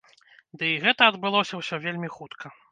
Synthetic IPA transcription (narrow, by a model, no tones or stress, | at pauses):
d̪ɨiɣɛt̪ɐːd̪bɨlˠɔsʲɐwsʲɔvʲelʲmʲixut̪kʰɐ